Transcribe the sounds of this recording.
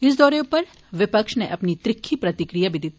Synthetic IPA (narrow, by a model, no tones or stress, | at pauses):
ɪsd̪ɔːɾeʊpɐɾ | ʋɪpəkʃneʔɐpnit̪ɾɪkʰːipɾɐt̪ɪkɾijabʱid̪ɪt̪